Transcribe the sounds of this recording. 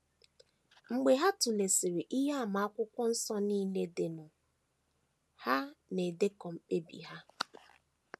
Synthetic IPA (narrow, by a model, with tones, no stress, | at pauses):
ŋ͡m̩˨ɡ͡be˨ɦa˦tu˨le˨si˨ɾi˨ʔɪ˦ɦa˦a˨ma˨˦a˦kʷʊ˦kʷɔ˦n̩˦sɔ˦ni˦ne˦de˨nʊ˨ | ha˦ne˨de˦kɔ˨ŋ͡m̩˨k͡pe˦bḭ˨ɦa˦